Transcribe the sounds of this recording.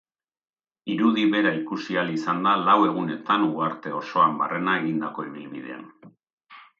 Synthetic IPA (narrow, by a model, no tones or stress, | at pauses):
iɾuðiβe̞ɾaikusialisand̪alawe̞ɣ̞une̞t̪anuaɾt̪e̞o̞so̞amba̰re̞nae̞ɣind̪ako̞eβilβḭðe̞̰a̰n